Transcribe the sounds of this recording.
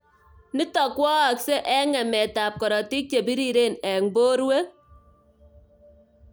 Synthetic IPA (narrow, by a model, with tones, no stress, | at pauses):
ni˦tɔ˨kwɔ˦a˨kse˦ʔɛ˦ŋɛ˨mɛ˨ta˨p̚kɔ˨ɾɔ˨ti˦k̚t͡ʃe˨bi˦ɾi˨ɾe˦˨nɛ˨ŋbo˦ɾwe˦